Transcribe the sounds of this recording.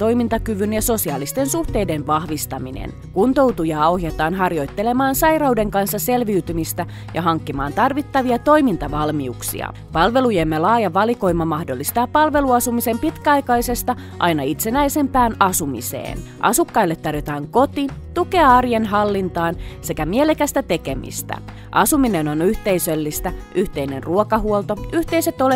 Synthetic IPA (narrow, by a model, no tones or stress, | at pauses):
t̪o̞jmint̪ɑkyʋynjɑso̞siɑːlist̪e̞nsuht̪e̞jdenʋɑhʋist̪ɑminḛn | kunt̪o̞wt̪ujɑːo̞hjɑt̪ɑːnɦɑrjo̞jt̪ːe̞le̞mɑːnsɑjrɑwde̞ŋkɑnsːɑse̞lʋiyt̪ymist̪æ | jɑɦɑŋkːimɑːnt̪ɑrʋit̪ːɑʋiɑt̪o̞jmint̪ɑʋɑlmiuksḭɑ̰ | pɑlʋe̞lujemːelɑːjɑʋɑliko̞jmːɑmɑhdolːist̪ɑːppːɑlʋe̞luɑsumise̞mpit̪kæɑjkɑjse̞st̪ɑ | ʔɑjnɑit̪se̞næjse̞mpæːnɑsumḭsḛːnʔɑ̰sukːɑilːet̪ːɑrjot̪ɑːŋko̞t̪it̪uke̞ɑɑrjenɦɑlːint̪ɑːnse̞kæmielekæst̪æt̪e̞ke̞mḭst̪æ̰ | ʔɑsumine̞no̞nyht̪e̞jsølːist̪æyht̪e̞ine̞nruokɑɦuolt̪o̞yht̪e̞ise̞t̪ole